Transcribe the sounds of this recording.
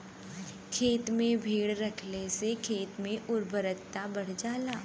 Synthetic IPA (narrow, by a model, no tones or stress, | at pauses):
kʰeːt̪mẽbʱiːɽɾɐkʰlesekʰeːt̪mẽʔʊɾbʱəɾət̪ːabɐɽ̤d͡ʒaːlaː